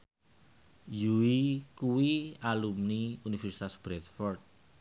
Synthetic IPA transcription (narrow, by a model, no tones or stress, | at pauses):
juwikuwialumniunifɛrsi̥t̪asb̥ɾɛt̪fɔrt̪̚